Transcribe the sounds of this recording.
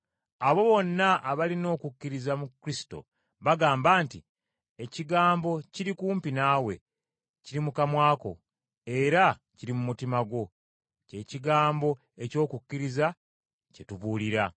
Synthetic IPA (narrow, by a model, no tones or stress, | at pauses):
aβo̞βo̞nːaʔːβalino̞ːkukːiɾizamukɾisi̥to̰ | βaɡaːmbaːnti | e̞ciɡaːmbo̞ciɾikuːmpinaːwe̞̰ | ciɾimukamwaːko̞̰ | e̞ɾa | ciɾimumutimaɡo̞ | ce̞ːciɡaːmbo̞ | e̞co̞ːkukːiɾiza | cetuβuːliɾa